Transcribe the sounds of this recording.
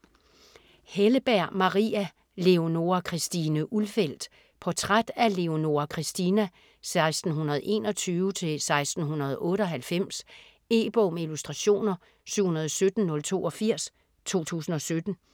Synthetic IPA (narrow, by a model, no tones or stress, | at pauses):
heləb̥æɐ̰mɑ̈ʁḭæ | le̝o̝no̝ɐkʰʁisd̥inəʔulfel̰d̥ | pʰɒ̽t͡sʰʁad̥æle̝o̝no̝ɐkʰʁisd̥inæ | sɑ̈ɪsd̥n̩ɦunɐð̞̩ˠe̝̰ːnɒ̽t͡sʰyːʊət͡sʰe̝lsɑ̈ɪsd̥n̩ɦunɐð̞̩ˠɔ̽ːɾəɒ̽ɦælfem̰s | e̝ːb̥ɔmilusd̥ʁɑɕo̝̰ːnɐ | syʊ̰hunɐðˠɒsød̥n̩nɔ̽lt͡sʰo̝̰ːɒ̽fiɐ̰s | t͡sʰo̝̰ːt͡sʰṵːsn̩ɒ̽sød̥n̩